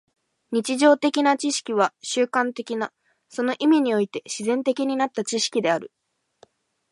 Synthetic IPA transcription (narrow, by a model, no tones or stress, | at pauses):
ɲ̟it͡ɕiʑo̞ːt̪e̞kʲinat͡ɕiɕi̥kʲiβ̞aɕɨːkãnt̪e̞kʲina | so̞no̞ʔimʲiɲ̟io̞it̪e̞ɕizẽ̞nt̪e̞kʲiɲ̟inat̪ːat͡ɕiɕi̥kʲid̪e̞aɾɯ̟